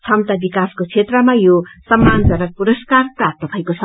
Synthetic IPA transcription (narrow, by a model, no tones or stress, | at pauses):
t͡sʰʌmt̪abikaskot͡sʰet̪rʌmajosʌmːand͡zʌɾʌpuɾʌskarpat̪ʌpʰajkosʰʌ